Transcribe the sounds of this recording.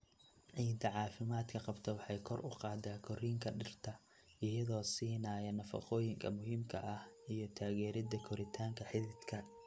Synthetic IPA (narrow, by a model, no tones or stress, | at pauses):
ʕiːnt̪ʰɐʕɑːfɪmaːd̪kʰɐqɑbt̪ʰɐwɑħɑjkʰɔrʔʊ̰qɑːd̪aːkʰɔriːŋkʰɐɖɪrt̪ʰɐ | ʔijɐðɔːsiːnaːjɐnɐfɑ̰qɔːjɪŋkʰɐ̰mʊɦiːmkʰɐʔɐhijɞt̪ʰaːɣɛːɾɪd̪ɐkʰɔɾɪt̪ʰaːŋkʰɐħɪðɪd̪kʰɐ